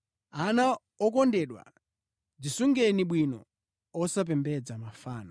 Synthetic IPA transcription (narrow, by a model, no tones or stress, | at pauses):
ana | ɔkɔndɛɗwa̰ | d͡zisuŋɡɛniɓwinɔ | ɔsap̬ɛmbɛd͡zamafaːnɔ